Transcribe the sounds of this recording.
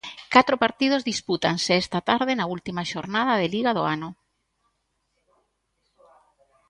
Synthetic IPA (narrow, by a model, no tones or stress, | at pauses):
kat̪ɾopaɾt̪ið̞ozðisput̪anseɛst̪at̪aɾð̞enault̪imaʃoɾnað̞ɐðeliɣaðoanʊ